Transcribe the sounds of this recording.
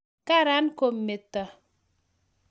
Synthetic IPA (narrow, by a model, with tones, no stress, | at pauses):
ka˦ɾa˨˦nko˨mːe˨tːa˨